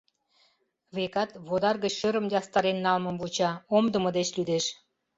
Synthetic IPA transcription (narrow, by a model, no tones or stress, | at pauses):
βekɑt̪βod̪ɑrɣət͡ɕʃə̆ɾə̆md̪eɑst̪ɑɾenːɑlmɤ̆mbut͡ɕɑomd̪ə̆mɤ̆d̪et͡ɕlyd̪eʃ